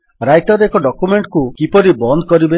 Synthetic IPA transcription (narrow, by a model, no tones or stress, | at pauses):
ɾajʈɔɾekɔɖɔkumeɳʈkukipɔɾibɔnd̪ʱɔkɔɾibe